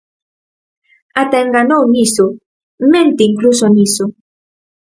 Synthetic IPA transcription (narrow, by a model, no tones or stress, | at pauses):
at̪eŋɡanowniso | mẽnt̪eiŋklusoniso